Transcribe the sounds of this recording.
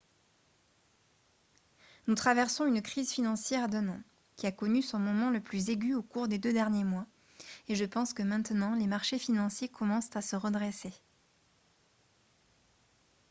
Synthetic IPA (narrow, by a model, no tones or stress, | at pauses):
nut̪χavɛʁsɔ̃ynkχizfinɑ̃sjɛʁd̪œnɑ̃ | kʲiakɔnysɔ̃mɔmɑ̃ləplyzeɡʲyokuʁd̪ed̪ød̪ɛʁnjemwa | eʒəpɑ̃skəmɛ̃t̪nɑ̃lemaʁʃefinɑ̃sjekʰɔmɑ̃st̪asəʁəd̪ʁese